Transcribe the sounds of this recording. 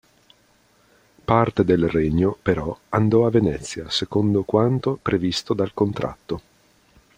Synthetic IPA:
part̪ed̪elrɛɲːopeɾɔand̪ɔavːenɛt̪sːjasekond̪okwant̪opɾevist̪od̪alkont̪ɾa̰t̪ːo

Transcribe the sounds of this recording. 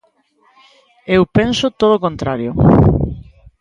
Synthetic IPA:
ewpensʊt̪oð̞okõnt̪ɾaɾjo

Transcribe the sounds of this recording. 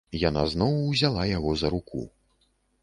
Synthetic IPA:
jana̰znɔwwzʲalˠajaɣɔzɐɾukʰṵ

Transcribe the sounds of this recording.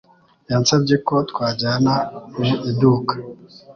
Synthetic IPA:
jaːnsabɟekot̪kwaːɟaːnamuʔiduːkḁ

